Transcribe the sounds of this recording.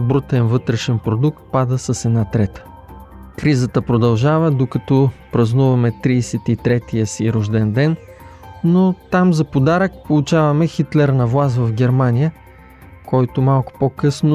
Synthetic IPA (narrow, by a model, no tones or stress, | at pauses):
bɾut̪ɛnvɤt̪ɾɛʃɛnpɾod̪uk̚t̪̚pad̪əsəsɛd̪nat̪ɾɛt̪ə̥ | kɾizət̪əpɾod̪ɐlˠʒavəd̪okɐt̪ɔpɾɐznuvɐmɛt̪ɾiːsɛt̪it̪ɾɛt̪ijəsiɾoʒd̪ɛnd̪ɛn | not̪amzɐpod̪aɾək̚polˠut͡ʃavɐmɛxit̪lɛɾnɐvlˠas̬vɐfɡʲɛɾmanʲijə | kɔjt̪ʊmalˠkʊ̥pokɤsnʊ